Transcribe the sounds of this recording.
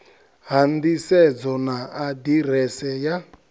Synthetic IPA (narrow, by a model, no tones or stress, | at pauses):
ɦand̪isɛd͡zɔnaːdiɾɛsɛja